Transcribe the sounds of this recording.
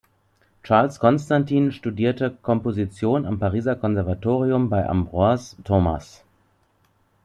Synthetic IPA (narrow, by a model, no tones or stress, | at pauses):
t͡ʃaɐlskʰɔnstantʰiːnʃtudiːɐtəkʰɔmpozit͡sjoːnampaʁ̞iːzɐkʰɔnzɛɐvatʰoːʁiʊmbaɪʔa̰mbʁuastʰoːma̰s